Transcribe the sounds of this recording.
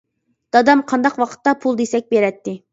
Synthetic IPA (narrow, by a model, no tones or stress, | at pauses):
d̪̥ɑd̪ɑmqʰɑnd̪ɑqwɑqʰə̥t̪ːɑpʰulˠd̪esɛk̚ʲbeɾɛt̪ːɪ